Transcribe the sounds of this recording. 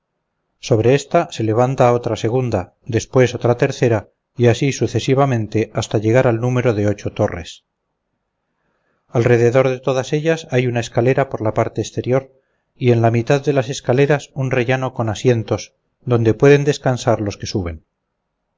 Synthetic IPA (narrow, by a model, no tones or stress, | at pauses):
so̞β̞ɾe̞est̪ase̞le̞β̞ant̪ao̞t̪ɾase̞ɣ̞und̪a | d̪e̞spwe̞so̞t̪ɾat̪e̞ɾθe̞ɾa | iasisuθe̞siβamẽ̞nt̪e̞ast̪aʎe̞ɣ̞aɾalnume̞ɾo̞ðe̞o̞t͡ʃo̞t̪o̞re̞̰s | alre̞ð̞e̞ðo̞ɾðe̞t̪o̞ð̞ase̞ʎasajunae̞skale̞ɾapoɾlapaɾt̪eːst̪e̞ɾjo̞ɾ | ie̞nlamit̪aððe̞lase̞skale̞ɾasunre̞ʝano̞ko̞nasje̞nt̪o̞s | d̪o̞nd̪e̞pwe̞ðe̞nd̪e̞skansaɾlo̞ske̞suβe̞n